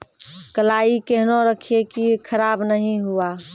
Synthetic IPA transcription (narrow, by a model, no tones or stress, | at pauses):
kəlaːikeɦnoɾəkʰiekikʰəɾaːbnəɦĩɦua